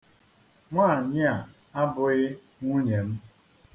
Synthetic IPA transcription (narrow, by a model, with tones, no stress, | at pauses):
ŋʷaː˦˨ɲɪ˦a˨ | a˦bʊ˨ɣɪ˦ | ŋʷu˦ɲe˨m̩˦